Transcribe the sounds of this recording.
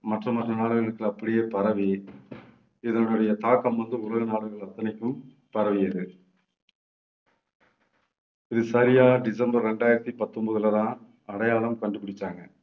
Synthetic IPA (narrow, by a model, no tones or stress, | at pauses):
mɐʈrɐmɐʈrɐnaːɽɯɣɐɭɯkːɯɐpːɐɽɪjepɐɾɐʋi | ɪðɐnɯɽɯɽɐjɐt̪aːkːɐmʋɐnd̪ɯʊɭɐɣɐnaːɽɯɣɐɭɐt̪ːɐnɪkːɯm | pɐɾɐʋɪjɐðɯ | ɪðɯsɐɾɪjaːɖɪsɐmbɐɾːɛɳɖaːjɪɾɐt̪ːipɐt̪ːɔmbɐðɯlɐðãːn | ɐɽɐjaːlɐmkɐɳɖɯpːɪɽɪt̪ːaːŋɡɐ